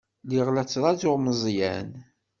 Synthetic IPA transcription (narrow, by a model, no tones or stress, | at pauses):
liʁlæt͡sːɾˤɑzʊʁməzˤjæn